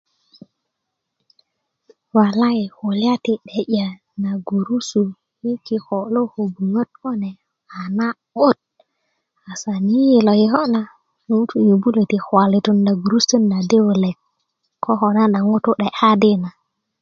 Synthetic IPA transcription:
wa˨la˦i˨ho˨li˦a˦ti˨ɗe˨ɟa˨ | na˨ɡu˨ɾu˦su˨ | ji˦ki˦xo˨lo˦ho˨bu˨ŋə˦t̚ko˦ne˨ | a˨na˦ | wo˦˨t̚ | a˨sa˨ni˦ji˨lo˨ji˨ɦo˦na˦ | nu˦tu˦jo˨bu˦le˨ti˨xwa˨li˨tu˦nda˨ɡu˨ɾu˦su˦nda˨de˦wle˨k | kːo˦ɦo˨na˦na˨ŋu˦tu˦ɗe˨ʔa˦di˦na˨

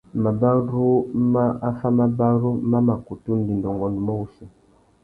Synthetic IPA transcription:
ma˨ba˦ɾu˦ma˦a˦fa˦ma˦ba˦ɾu˦ma˦ma˨ku˨tu˦n̩˦di˨ndɔ˨ŋɡɔ˨nu˨ma˦u˦si˨

